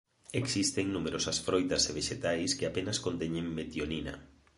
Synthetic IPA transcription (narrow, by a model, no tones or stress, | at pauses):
eksist̪eŋnumeɾʔosɐsfɾojt̪ɐseβeʃet̪ajskɪapenɐskont̪eɲeŋmet̪joninɐ̰